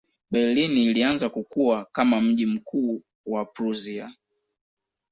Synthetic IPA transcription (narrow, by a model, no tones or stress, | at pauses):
ɓɛliniːlianzakukuakamam̩ʄim̩kʰuː | wapɾuzia